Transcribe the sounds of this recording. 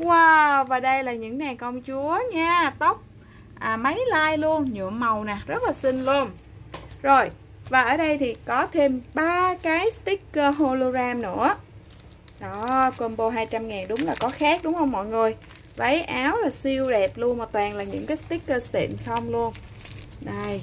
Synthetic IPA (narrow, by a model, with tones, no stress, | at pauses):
aː˨˧˩vaː˨˩ɗə˧jlaː˨˩ɲɨ̰˧˥ŋɲa˨˩kə˧wŋ͡mt͡ɕu˨˦əɲaː˧t̪ə˦˥wk͡p̚ | ʔaː˨˩mə˨˦jlaː˧jlu˧ənɲɨ̰˧˨əmːə˨˩wnaː˨˩zə˦˥t̚laː˨˩sï˧ŋlu˧ən | zo˨˩j | vaː˨˩ʔəː˧˩ɗə˧jt̪ʰi˨˩kɔ˨˦t̪ʰe˧mɓaː˧kaː˨˦jst̪i˦˥kːəː˧ɦo˧lo˧ɣaː˧mnɨ̰˧˥ə | ɗɔ˨˦kwə˧nɓo˧ɦaː˧jt͡ɕa˧mŋaː˨˩nɗʊ˨˦wŋ͡mlaː˨˩kɔ˨˦xaː˦˥k̚ɗʊ˨˦ŋ͡mhə˧wŋ͡mmɔ̰˧˨jŋɨ˨˩əj | və˨˦jʔaː˨˦wlaː˨˩si˧əwɗɛ˨˩p̚lu˧ənmɔ˨˩t̪̚waː˨˩nlaː˨˩ɲɨ̰˧˥ŋkaː˨˦jst̪i˦˥kːəː˧st̪ḭ˧˨nxə˧wŋ͡mlu˧ən | ɗə˧˩j